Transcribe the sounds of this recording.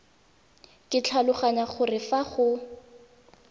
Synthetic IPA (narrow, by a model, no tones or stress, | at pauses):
kʼɪt͡ɬʰalʊχaɲaχʊrɪfaχʊ